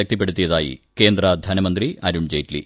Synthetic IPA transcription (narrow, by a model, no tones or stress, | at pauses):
ɐk̚t̪ip̬ːe̞ɽut̪ːijɐðaːjḭke̞ːnd̪rɐd̪ʱɐnɐmɐnd̪riɐɾuɳd͡ʑeːjtlḭ